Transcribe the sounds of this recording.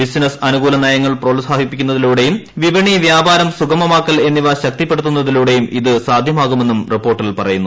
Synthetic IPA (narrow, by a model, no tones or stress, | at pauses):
bisnɐsɐnuɡuːlɐnaːjɐŋːɐɭproːlsaːɦipːikʲːunːɐðiluːɽe̞jumʋibɐɳiʋjaːbaːɾɐmsukɐmɐmaːkːɐle̞nːiʋɐɕɐk̚t̪ipːe̞ɽut̪ːunːɐðiluːɽe̞jumʔiðɨsaːd̪ʱjɐmaːɣume̞nːumripːo̞ːrʈːilpɐrɐjunːu